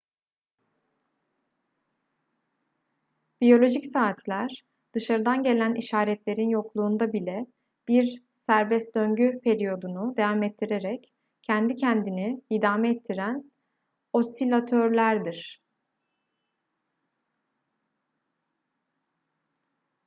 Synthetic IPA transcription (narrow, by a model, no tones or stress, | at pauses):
b̥ijo̞lʲo̞ʒicsaːt̪ʰlʲæɾ̥ | d̪̥ɯʃaɾɯd̪anɟe̞lʲæniʃaːɾɛt̪lʲe̞ɾinjo̞klˠuːnd̪abilʲɛ | b̥iɾ | sæɾbɛst̪̚d̪øɲɟypʰe̞ɾijo̞d̪unud̪evamɛt̪ʰːiɾe̞ɾɛc | cʰːɛnd̪icʰɛnd̪iniid̪aːmɛɛt̪ʰːiɾæn | o̞st̪ilʲat̪ʰøɾlʲæɾd̪iɾ̥